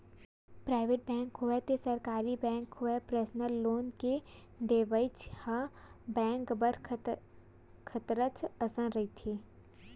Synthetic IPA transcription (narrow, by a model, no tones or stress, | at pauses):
pɾaːɪʋeːʈ̚bɛ̃ːŋkɦʊɛt̪esəɾkaːɾibɛ̃ːŋkɦʊɛpɾeːsnəlːoːnke | ɖeːʋəɪt͡ʃha | bɛ̃ːŋkbəɾʰ | kʰət̪ɾət͡ʃəsə̃nɾɐit̪ʰeː